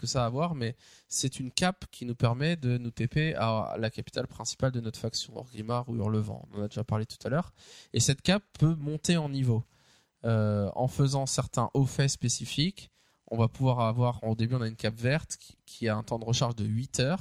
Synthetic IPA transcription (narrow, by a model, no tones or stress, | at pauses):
kəsaːvwaʁmɛsɛt̪ynkʲapkʲinupɛʁmɛd̪ənut̪epea̰lakapi̥t̪alpχɛ̃si̥pald̪ənɔt̪χfaksjɔ̃ɔ̰ʁɡlimaʁuy̰ʁləvɑ̰̃ɔ̰̃nɑ̃nad̪eʒapaʁlet̪u̥t̪alœːʁesɛt̪kʲapːømɔ̃t̪eɑ̃nivo | øɑ̰̃fəzɑ̃sɛʁt̪ɛ̰̃ʔofɛspesifik | ɔ̰̃vapuvwaʁavwaʁod̪ebyɔ̃naynkʲapvɛʁt̪kʲʰiaɛ̃t̪ɑ̃d̪əʁəʃaʁʒd̪əɥit̪ʰœːʁ